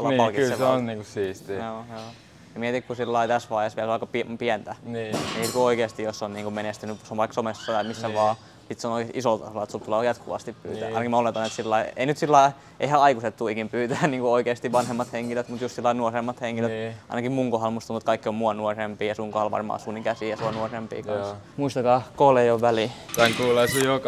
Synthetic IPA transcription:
ulɑpɑlkitsseseonniːŋkusiːst̪ijoːjoː | jɑmiet̪ikkusilːɑit̪æsʋɑːjesʋiælsoɑikːɑpipiænt̪ænːniːt̪kuoikeːst̪ijosːonniːŋkumenest̪ynysonʋɑiksomesːɑt̪ɑimisːæʋɑː | sit̪seonoikesiʔisolt̪ɑ̰solɑet̪sult̪ulejɑt̪kuʋɑ̰st̪ippy̰ːt̪æ̰ːʔɑ̰inɑkimæolet̪ɑnːet̪silːɑiḛinyt̪silːɑi | ḛihæɑikuset̪t̪uikimpyːt̪æːnniːŋkuoikeːst̪iʋʋɑnhemːɑt̪heŋkiløt̪mut̪just̪silːɑinuoremːɑt̪heŋkiløt̪ɑinɑkimmuŋkohɑlmuist̪ɑnut̪̚kɑikːiommuonuorempiːjɑsuŋkohɑlʋɑ̰rmɑ̰ːsunikæsiːjɑsuonuorempḭːkɑnsmuist̪ɑkɑːkoːleioʋʋælitɑŋkuːlɑsijok

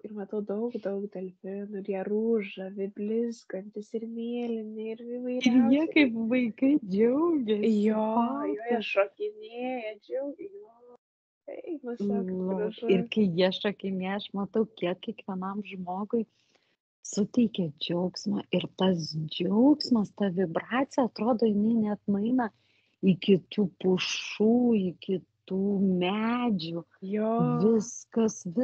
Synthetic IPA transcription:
ɪrmɐt̪ɐʊd̪ɐʊkd̪ɐʊkd̪ʲɛlʲfʲɪnʊɪrjiɛruːʒɐʋʲɪbʲlʲɪzɡɐnʲt̪ʲɪsɪɾmʲeːlʲɪnʲɪɪɾɪʋɐɪɪɾjiɛkɐɪpʋɐɪkɐɪd͡ʒʲɛʊɡʲɛjoːjoːjʃoːkʲɪnʲeːjɛd͡ʒʲɛʊɡʲjoː | t̪ɐɪnʊslˠɐɪrkɐɪjiɛɐʃʃokʲɪnʲiɛjɐʃmɐt̪ɐʊkʲiɛkkʲiɛkʋʲiɛnɐmʒmoːɡʊɪ | sʊt̪ʲɛɪkʲɛd͡ʒʲɛʊksmɐʔɪɾt̪ɐsd͡ʒʲɛʊksmɐst̪ɐʋʲɪbrɑːt͡sʲɪjɛɐt̪ɾoːd̪oːjɪnɐɪnʲɛɐt̪nʊɐɪnɐ | ɪkʲɪt̪uːpʊʃuːikʲɪt̪uːmʲæd͡ʒʲu | joːʋʲɪskɐsʋʲɪ

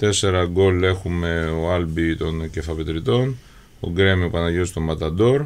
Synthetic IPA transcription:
t̪e̞se̞ɾɐɡo̞le̞xume̞oɐlbit̪o̞nce̞fɐpet̪ɾit̪o̞n | o̰ɡɾe̞miopɐnɐʝeost̪o̞mːɐt̪ɐd̪o̞ɾ

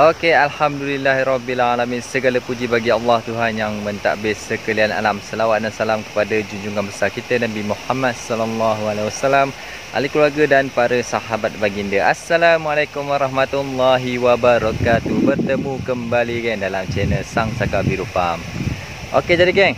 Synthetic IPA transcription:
ʔokealhamdulilːaɦiɾɔbilalaminsəɡalapud͡ʒibaɡialːɑht̪uɦanjaŋmə̃nt̪a̰ʔbɪsəkəliana̰lamsəlawat̪̚dansalamkə̥padad͡ʒuɲd͡ʒuŋanbəsarkit̪ənabimuħamad̚sɔlɔlːɑɦualawasalam | ʔa̰likəluarɡadanpaɾasaɦabat̪̚baɡindəʔasːalamualajkumwaɾˤɑhmat̪ulːɑɦiwabaɾɔkat̪uhbərt̪əmũkəmbalikandalamt͡ʃenəsaŋsakabiɾupa̰m | ʔo̰ked͡ʒadikɛŋ

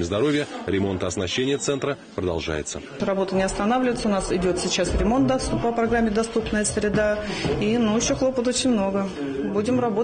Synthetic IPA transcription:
mʲɪzd̪ɐɾo̞vʲɪjəɾʲɪmo̞nt̪əɐsnɐɕːenʲɪjət̪sɛnt̪ɾə | pɾəd̪ɐ̰lˠʐa̰jɪ̰t̪sə̰ | rɐbo̞t̪ənʲɪɐst̪ɐnavlʲɪvɪt̪səʊnasɪdʲo̞t̪sʲɪt͡ɕːasɾʲɪmo̞nt̪̚d̪ɐst̪upəpɾɐɡɾamʲːɪd̪ɐst̪upnəjəsʲɾʲɪd̪ainuɪɕːoxlˠo̞pət̪̬o̞t͡ɕɪnʲmno̞ɡə | budʲɪmrɐbo

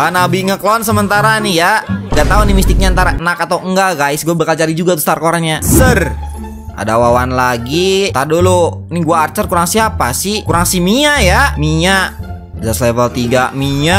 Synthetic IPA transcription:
anabiŋəklɔnsəmənt̪aɾanijaŋɡat̪aunimist̪ɪk̚ɲaant̪aɾaənakat̪awəŋɡaɡaisɡuabəkalt͡ʃaɾid͡ʒuɡat̪ust̪arkoɾanɲasər | ʔa̰dawawanlaɡit̪adoloniɡuaːrt͡ʃərkuɾaŋsiapasihkuɾaŋsimiɲajamiɲa | daslevəlt̪iɡamiɲa

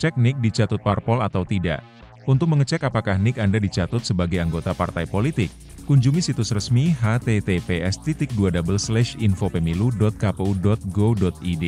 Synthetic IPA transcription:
t͡ʃɛk̚nɪk̚dit͡ʃat̪ʊt̪̚parpɔlat̪awt̪ida̰ʔ | unt̪ʊk̚məŋət͡ʃɛkapakahnɪkandadit͡ʃat̪ʊt̪̚səbaɡajaŋɡot̪apa̰rt̪ajpolit̪ɪk̚ː | uɲd͡ʒumisit̪ʊsrəsmiɦat̪et̪epeʔɛst̪it̪ɪk̚duadabəlslɛʃinfopəmiludɔt̪̚kapeudɔt̪̚ɡodɔt̪̚ide

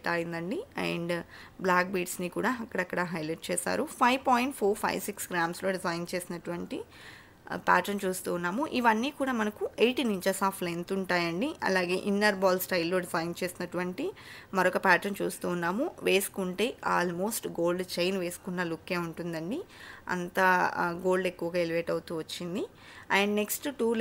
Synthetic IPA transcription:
ʈaːjind̪ɐɳɖiɐ̰ɳɖblaːk̚biːʈsnikuːɽaːɐkːɐɽɐkːɐɽɐɦɐjleʈ̚t͡ʃeːsa̰ːɾupʰɐjʋpaːjiɳʈ̚pʰoːɾpʰɐ̰jʋsiksɡɾaːmslo̞ːɖizɐjnt͡ʃe̞ːsinɐʈuʋɐɳʈi | pa̰ːʈɐɾnt͡ʃuːst̪uːnːaːmuʔiʋɐnːiːkuːɽaːmɐnɐkuʔejʈiːniɲt͡ʃɐɾsaːpʰlent̪uɳʈaːjɐɳɖiɐ̰laːɡe̞ːʔinːɐɾbaːlsʈɐjlːo̞ːɖizɐjnt͡ʃe̞ːsinɐʈuʋɐɳʈimɐɾɔkɐpaːʈɐɾnt͡ʃuːst̪uːnːaːmuʋe̞ːsu̥kuɳʈe̞ːʔa̰ːlmo̞ːsʈɡo̞ːlɖt͡ʃejnʋe̞ːsu̥kunːɐlukːe̞ːuɳʈund̪ɐɳɖiɐ̰nt̪ɐɡo̞ːlɖekːuʋɐɡaːeliʋeːʈɐwut̪uːʋɐt͡ʃːind̪i | ɐjɳɖneksʈʈuː

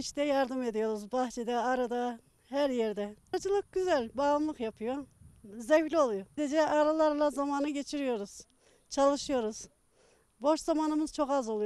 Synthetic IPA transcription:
it͡ʃt̪ɛjaɾd̪ɯme̞d̪ijo̞ɾuzbɑxt͡ʃʰed̪ɛaɾad̪a | hæɾjɛɾd̪ɛd͡ʒɯlˠɯk̚ɟyzælʲbaːlˠamlˠɯqjapʰɯjozɛflʲio̞lˠujod̪ed͡ʒɛʔaɾalˠaɾlˠazamaːnɯɟe̞t͡ʃʰiɾijo̞ɾuz̥ | t͡ʃʰalˠɯʃɯjo̞ɾuz̥ | bo̞ʃzamaːnɯmɯz̥t͡ʃʰo̞kazo̞lˠuj

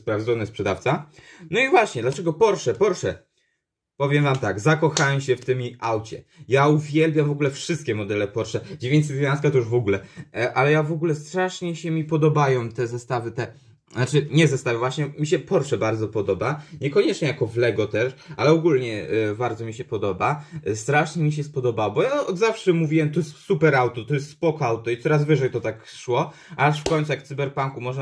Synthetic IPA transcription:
spɾavd̪ɔnɛspʂɛd̪aft̪sanɔivwaɕɲɛd̪lat͡ʂɛɡɔpɔɾʂɛpɔɾʂɛ | pɔvʲjɛmvamt̪aɡzakɔxawɛmɕɛft̪ɘmiawt͡ɕɛ̰jauvʲjɛlbʲjamvɔɡulɛfʂɨst̪kʲɛmɔd̪ɛlɛpɔɾʂɛd͡ʑevʲjeɲt͡ɕ̪ʲsɘzʲvʲjãñskat̪ɔjuʐvɔɡulɛʔalɛjavɔɡulɛst̪ɾaʂɲɛɕɛmʲipɔd̪ɔbajɔ̃w̃t̪ɛzɛst̪avɘt̪ɛ | zat͡ʂɘɲɛzɛst̪avɘvwaɕɲɛmʲiɕɛpɔɾʂɛbaɾd̪zɔpɔd̪ɔbaɲɛkɔɲɛt͡ʂɲɛjakɔvlɛɡɔt̪ɛʂalɛɔɡulɲɛbaɾd̪zɔmʲiɕɛpɔd̪ɔbast̪ɾaʂɲɛmʲiɕ̬ɛspɔd̪ɔbawɔbɔjaɔd̪zafʂɛmuvʲiwɛmt̪ɔjɛst̪supɛɾawt̪ɔt̪ɔjɛs̬t̪spɔkawt̪ɔit̪sɔɾazvɘʐɛjt̪ɔt̪akʂwɔ | aʂfkɔɲ̃ʲt̪sujakt̪sɨbɛɾpaŋkumɔʐɛ

